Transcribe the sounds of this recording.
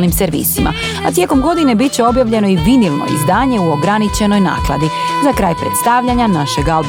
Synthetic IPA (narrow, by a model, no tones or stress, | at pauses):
lnimseɾʋḭːsima̰ | at̪je̞ko̞mɡo̞d̪ine̞bit̪̚t͡ɕeo̞bjaʋʎe̞no̞iʋinilˠno̰ḭzd̪aːɲe̞uo̞ɡɾanit͡ɕe̞no̞jna̰ːklˠa̰d̪izakɾaːjpɾḛt̪st̪aʋʎaɲanaʃeɡalˠb